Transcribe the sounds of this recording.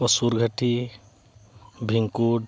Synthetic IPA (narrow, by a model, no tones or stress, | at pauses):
əsuɾɡʱəʈi | bʱiŋkuɖ